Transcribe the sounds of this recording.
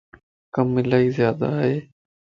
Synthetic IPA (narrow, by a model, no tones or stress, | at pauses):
kəmːɪlaːiːzjaːd̪aːɦeː